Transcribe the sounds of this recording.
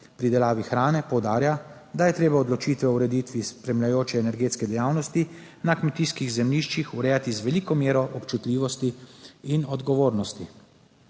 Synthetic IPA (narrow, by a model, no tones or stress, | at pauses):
pɾid̪ɛlaːʋixɾaːnɛpɔwd̪aːɾjad̪ajɛt̪ɾeːbaɔd̪lɔt͡ʃiːt̪ʋɛwɾɛd̪it̪ʋispɾɛmlʲjajoːt͡ʃɛːnɛɾɡeːt̪skɛd̪ɛjaːwnɔst̪i | nakmɛt̪iːskiɣzɛmliʃt͡ʃixuɾɛːjat̪izʋɛliːkɔmjeːɾɔʔɔpt͡ʃut̪lʲiːʋɔst̪iːnɔd̪ɡɔʋoːɾnɔst̪i